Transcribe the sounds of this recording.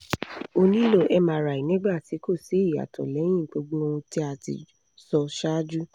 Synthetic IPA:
o˧nĩ˦lo˦˨ʔɛ˦mã˧˦ɾa˨i˨nĩ˦ɡ͡ba˦˨ti˨˦ko˦˨si˨˦i˦˨a̰˨tʰɔ̰˨lɛ˨˦j̃ĩ˦˨˦k͡po˦ɡ͡bũ˦o˧ũ˧ti˦a˧˨tḭ˨ | sɔ˧ʃa˦d͡ʒu˦

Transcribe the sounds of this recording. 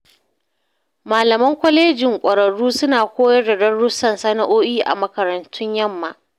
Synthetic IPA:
maː˨lɐ˨mɐ˦ŋkʷɐ˦leː˦d͡ʒɪ˨ŋkʷʼɐ˨ɾɐ˨ɽuː˦sʊ˦naː˨kʷoː˦jɐ˦rdɐ˨dɐ˦rɽʊ˦sɐ˨nsɐ˦na˨ʔoː˦ʔiː˦ʔa̰˨mɐ˨kɐ˨ɾɐ˨ntʰʊ˦ɲjɐ˦mːa˨ʔ

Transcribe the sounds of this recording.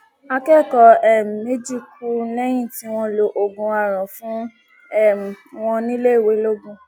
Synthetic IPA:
a˧kɛ˦˨kɔ˧ɛ˦˨me˦d͡ʒi˦kʰu˦lɛ˦j̃ĩ˦˨ti˦w̃ɔ̃˧lo˧ʔo˨ɡũ˨a˨ɾ̃ã˨fũ˦ | ɛ˦˨ | w̃ɔ̃˧nĩ˦le˦i˦˨we˨˦lo˦ɡũ˧

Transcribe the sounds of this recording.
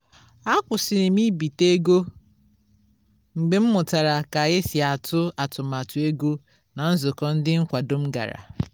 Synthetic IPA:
a˦kʷʊ˨sɪ˨nɪ˨mi˦bi˨te˦ɡo˦ | ŋ͡m̩˨ɡ͡be˨m̩˦mʊ˨ta˨ɾa˨ka˨ɣɪ˦sja˨tʊ˦a˨tʊ˨ma˨tʊ˦e˦ɡo˦ | na˨n̩˦zʊ˨kɔ˦n̩˦dɪ˦ŋ̩˦kʷa˨do˦m̩˦ɡa̰˨ɾa̰˨

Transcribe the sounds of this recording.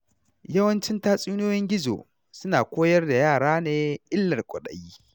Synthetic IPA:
jɐ˦wɐ˦nt͡ʃɪ˦ntaː˦sʼiː˦noː˦jɛ˦ŋɡʲɪ˦zo̰˨ | sʊ˦naː˨kʷoː˦jɐ˦rda˨jaː˦˨ɽaː˦neː˦ʔɪ˦lːɐ˨rkʷʼʊ˨ɗɐ̰˨jiː˦

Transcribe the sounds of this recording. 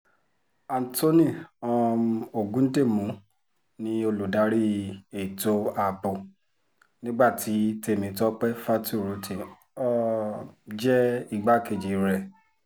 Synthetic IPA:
a˨n˨to˦nĩ˦˨ɔ̃˧o˨ɡũ˨˦n̩˦de˦˨mũ˨˦ | nĩ˧o˧lu˨da˨˦ɾi˦e˨to˧a˨bo˨ | nĩ˦ɡ͡ba˦˨ti˨˦te˧˨mĩ˨˦tɔ˦k͡pɛ˦fa˦tu˦˨ɾo˨˦te˨ | ɔ˦ | d͡ʒɛ˦i˦˨ɡ͡ba˦ke˨d͡ʒe˨ɾɛ˨

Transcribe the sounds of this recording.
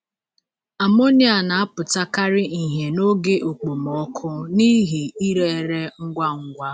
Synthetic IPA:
a˨mo˦ni˦a˨na˨a˦pʊ˨ta˦ka˦ɾɪ˦i˨ɦe˨no˦ɡe˦ʔo˨k͡po˨mɔ˦kʰʊ˦ni˦ɦi˨i˦ɾe˨e˨ɾe˦ŋ̩˦ɡʷa˦ŋ̩˦ɡʷa˦

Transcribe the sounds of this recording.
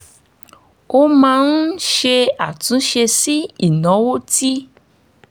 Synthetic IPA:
o˦mãː˧˦n̩˦ʃe˧a˨tũ˨˦ʃe˧si˦i˦˨nɔ̃˨˦wo˦ti˦

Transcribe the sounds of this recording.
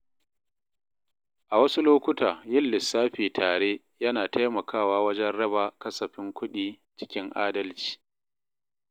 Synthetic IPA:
ʔa˨wɐ˦su˦loː˦kʷʊ˦taː˨jɪ˦lːɪ˨sːaː˦ɸiː˨tʰaː˨ɽeː˦ | jɐ˦naː˨tʰa˦jmɐ˨kaː˦˨waː˦wɐ˦d͡ʒɛ˦nɽɐ˦baː˨kɐ˦sɐ˨ɸɪ˦ŋkʷʊ˦ɗiː˨ | t͡ʃɪ̥˦kʲɪ˦ŋʔaː˦dɐ˦lt͡ʃi̥ː˨

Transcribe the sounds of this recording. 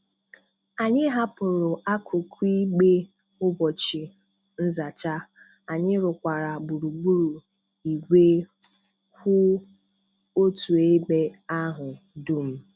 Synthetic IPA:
a˨ɲɪ˦ɦa˦pʊ˨ɾʊ˨ʔa˦kʰʊ˨kʰi˦ɡ͡be˦ | ʊ˦bɔ˨t͡ʃɪ˨ | n̩˦za˨t͡ʃa˦ | a˨ɲɪ˦ɾʊ˨kʷa˨ɾa˨bu˨ɾu˨ɡ͡bu˦ɾu˨ | i˨ɡʷe˦ | hʷʊ˦ | o˦tu˨e˦ɡ͡be˦a˦ɦʊ˨ | du˦m̩˦

